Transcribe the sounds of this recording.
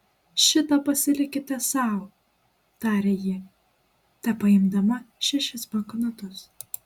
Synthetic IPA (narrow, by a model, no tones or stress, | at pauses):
ʃʲɪt̪ɐpɐsʲɪlʲɪkʲɪt̪ʲɛsɑˑʊ | t̪ɑːɾʲeːjɪ | t̪ʲɑpɐɪmd̪ɐmɐʃʲɛʃʲɪsbɐŋknɐt̪ʊs